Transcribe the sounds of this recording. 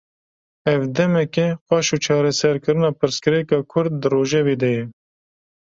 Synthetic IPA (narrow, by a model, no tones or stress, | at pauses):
ɛvd̪ɛmɛkeqɑːʃuːt͡ʃʰɑːɾɛsɛɾkɨɾɨnɑːpʰɨɾskɨɾɛkɑːkʰʊɾd̪̚ːɨroːʒɛveːd̪ɛjɛ